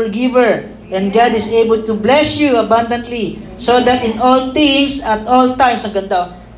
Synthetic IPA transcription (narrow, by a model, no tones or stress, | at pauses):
əɹɡɪvəɹ | ʔɛ̃nd̪ɡad̪ɪsejbɛlt̪ublɛsjuɐbãnd̪ɐnt̪lisod̪at̪ʔɪ̃nɔlt̪ɪ̃ŋsɐt̪̚ɔlt̪ãjmsɐɡɐnd̪a